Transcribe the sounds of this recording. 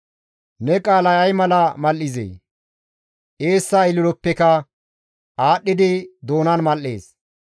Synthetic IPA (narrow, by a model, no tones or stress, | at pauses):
nɛkʼaːlɐjɐjmɐlɐmɐlːɪzḛː | ʔe̞ːsːɐɪlɪɾɔpːɛkɐ | ʔaːɗːɪd̪ɪd̪o̞ːnɐnmɐlːe̞̰ːs